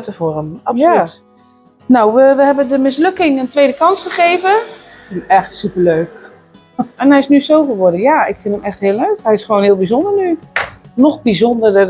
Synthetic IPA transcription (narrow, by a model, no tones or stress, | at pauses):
təforəmɑpslyt | nowʋəʋəhɛbəndəmɪsløkɪŋəntʋeːdəkɑnsχəχeːvə | fɪəmɛxtsypərløːk | ʔɛnɦɛjɪsnysowfəʋʊdəjaɪkfɪndəmɛxthɪəlˠløɥkhɛjɪsχəʋoːnhɪəlˠbizondərnynɔxbizondərə